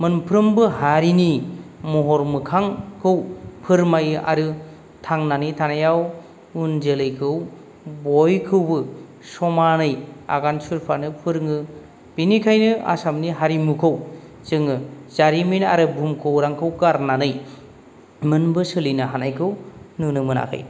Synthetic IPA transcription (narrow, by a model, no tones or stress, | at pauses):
mɯnpʰɾɯmbɯhaɾinimuɦɔɾmɯkʰaŋkʰɯwpʰɯɾmajʔa̰ɾɯ | tʰaŋnanɯjtʰanajaw | unzelɯjkʰɯw | bɔjkʰɯwbɯ | sɔmanɯja̰ɡansuɾpʰanɯpʰɯɾŋɯ | b̥inikʰajnɯʔa̰samniɦaɾimukʰɯw | zɯŋɯzaɾimina̰ɾɯbʱumkʰɯwɾaŋkʰɯwɡaɾnanɯj | mɯnbɯsɯlinɯɦanajkʰɯwnɯnɯmɯna̰kʰa̰j